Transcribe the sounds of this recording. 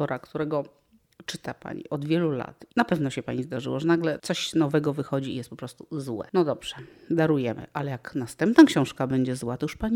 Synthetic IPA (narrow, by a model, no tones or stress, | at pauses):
ɔɾakt̪uɾɛɡɔ | t͡ʂɘt̪apa̰ɲḭʔɔd̪vʲjɛlula̰t̪napɛvnɔɕɛpaɲizd̪aʐɘ̰wɔʐɛnaɡlɛt̪sɔɕnɔvɛɡɔvɘxɔd͡ʑḭjɛst̪pɔpɾɔst̪uzwɛ̰nɔd̪ɔbʐ̥ɛd̪aɾujɛmɘ̰ʔalɛjaknast̪ɛmpnakɕɔ̃w̃ʂkabɛɲd͡ʑɛzwat̪ɔjuʂpaɲi